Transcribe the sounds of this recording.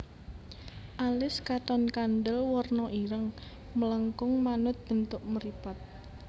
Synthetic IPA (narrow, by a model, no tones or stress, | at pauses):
ʔalɪskat̪ɔnkanɖ̪əlwɔrnɔʔiɾəŋ | mələŋkʊŋmanʊt̪̚b̥ə̤nt̪ʊʔməɾipat̪̚